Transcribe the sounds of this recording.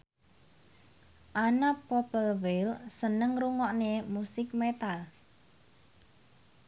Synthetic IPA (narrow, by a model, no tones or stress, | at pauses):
ʔanapɔpəlwelsənəŋruŋɔʔnemusɪkmet̪al